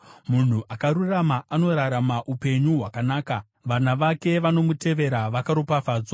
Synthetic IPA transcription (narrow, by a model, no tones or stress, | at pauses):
mun̤uʔakaɾuramaʔano̞ɾaɾamaʔupe̞ɲuɦwakanaːka | ʋanaʋake̞ʋano̞mute̞ʋe̞ɾaʋakaɾopafaːd͡zo